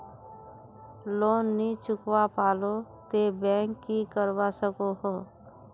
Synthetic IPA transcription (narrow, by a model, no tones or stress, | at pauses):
loːnːit͡ʃʊkwapaːlot̪ebɛ̃ːŋkːikəɾwasəkoɦoː